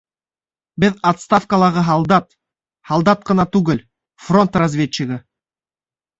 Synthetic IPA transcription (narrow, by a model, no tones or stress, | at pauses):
bɘðat̪st̪afkəlˠɑʁɤɦɑlˠd̪ɑt̪̚ | hɑlˠd̪ɑt̪̚qɤ̆nɑt̪ʉɡɘl | fro̞nt̪razʲvʲet͡ɕːɪɣə